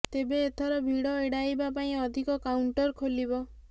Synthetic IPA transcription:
t̪ebeːt̪ʰɔɾɔbʱiɽɔeɽajbapaĩɔd̪ʱikɔkawɳʈɔɾkʰolibɔ

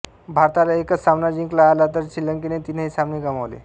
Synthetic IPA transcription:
bʱaɾt̪alaekət͡ssamnad͡ʑiŋklaːlat̪əɾɕiləŋkinet̪in̤əɦisamneɡəmaʋlḛ

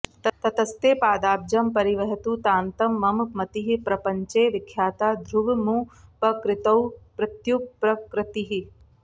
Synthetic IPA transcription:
t̪t̪ɐt̪ɐst̪eːpaːd̪aːb̚d͡ʒɐmpɐɾiʋɐɦɐt̪uːt̪aːnt̪ɐmːɐmmɐt̪iɦipɾɐpɐɲt͡ʃeːʋɪkʰːjaːt̪aːd̪ʱɾuʋmuːpɐkɾɪt̪ɐwpɾɐt̪jupɾɐkɾɪt̪iɦi

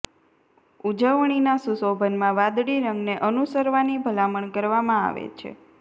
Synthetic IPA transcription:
ud͡ʒəʋɳ̃inasusobʱənmãʋad̪ɽiɾəŋɡneʔənusəɾʋanibʱəlaməɳkəɾʋamãa̰ʋḛt͡ʃʰḛ

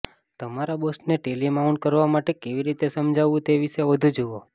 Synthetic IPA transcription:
t̪əmaɾabosʈneʈelimauɳʈ̚kəɾʋamaʈekeʋiɾit̪esəmd͡ʒʱaʋũt̪eʋiʃeʋəd̪ʱud͡ʒoo

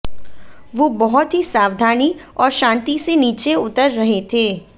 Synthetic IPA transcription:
ʋoːbɔɦʊt̪ɦisaːʋd̪ʱaːniɔːɾʃãːnt̪iseniːt͡ʃeʊt̪əɾːɐɦet̪ʰeː

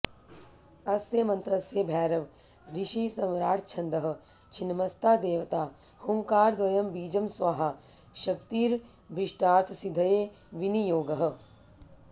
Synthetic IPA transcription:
ɐsjɐmɐ̃nt̪ɾɐsjɐbʱɛːɾɐʋ | ɾɪʃisɐmɾaːɽt͡ʃʰɐnd̪əɦ̆ | t͡ʃʰɪnmɐst̪aːd̪eːʋt̪aː | humkaːɾd̪ʋɐjɐmbiːd͡ʒɐmsʋaːɦaʃɐkt̪iːɾ | bʱɪʃʈaːɾt̪ʰsid̪ʱɐje | ʋinijoːɡɐɦ̆

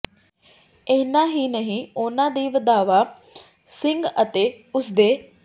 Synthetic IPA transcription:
eːnãːɦiːnəɦĩːʊnãːd̪iːʋəd̪aːʋaː | sɪŋɡət̪eːʊsd̪eː

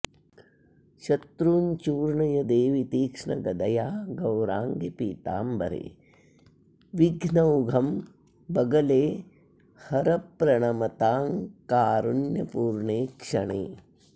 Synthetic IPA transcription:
ʃɐt̪ɾuːnt͡ʃuːɾɳɐjɐd̪eːʋit̪iːkʂɳɐ̰ɡɐd̪ɐjaːɡɐwɾaːŋɡepiːt̪a̰ːmbɐ̰ɾḛː | ʋiɡʱnɐuɡʱɐm | bɐɡɐleː | hɐɾɐpɾɐɳɐmɐt̪aːmkaːɾunjɐpuːɾɳeːkʂɐ̰ɳḛː

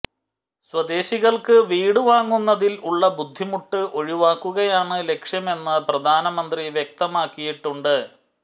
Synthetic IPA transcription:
swɐd̪e̞ːɕiɣɐɭkɨʋiːɽuʋaːŋːunːɐðiluɭːɐbud̪ʱːimuʈːɨʔo̞ɻiʋaːkːuɣɐjaːɳɨle̞kʂjɐme̞nːɨprɐd̪ʱaːnɐmɐnd̪riʋjek̚t̪ɐmaːkːijiʈːuɳɖɨ

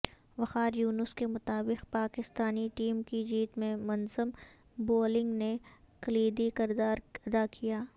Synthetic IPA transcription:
ʋɐxaːɾjuːnəskemʊt̪aːbɪqpaːkɪst̪aːniʈiːmkid͡ʒiːt̪mẽmɐnzəm | boːlɪ̃ŋɡne | kɐliːd̪ikɪɾd̪aːɾɐd̪akʰijaː

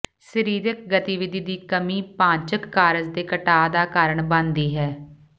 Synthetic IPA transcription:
səɾiːɾək̚ɡət̪iːʋɪd̪iːd̪iːkəmiːpãːɲt͡ʃəkːaːɾəd͡ʒd̪eːkəʈaːd̪aːkaːɾəɳbãːnd̪iːɦɛː

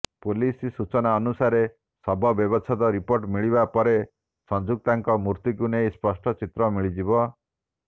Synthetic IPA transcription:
pulissut͡ʃɔnaɔnusaɾe | sɔbʱɔbjɔbɔt͡ʃʰɔt̪ɔɾipoɾʈmiɭibapɔɾe | sɔnd͡ʒuɡ̚t̪aŋkɔmuɾt̪ikunejspɔsʈʰɔt͡ʃit̪ɾɔmiɭid͡ʒibɔ

